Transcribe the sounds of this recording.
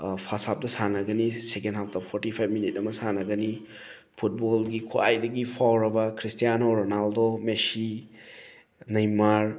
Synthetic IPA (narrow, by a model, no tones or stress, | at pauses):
pʰasap̚dɐsanɐɡɐnisekenɦap̚tappʰoɾtipʰajb̚minit̚ɐmɐsanɐɡɐni | pʰut̚bolɡikʰuajdɐɡipʰawɾɐbɐkʰɾistijanoɾonaldomesi | nɐjmaɾ